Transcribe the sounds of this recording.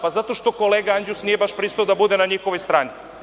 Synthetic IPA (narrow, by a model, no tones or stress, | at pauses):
pazat̪o̞ʃt̪o̞ko̞leːɡaand͡ʑusnije̞baʃpɾiːst̪ood̪abud̪e̞naɲixo̞ʋojst̪ɾaːni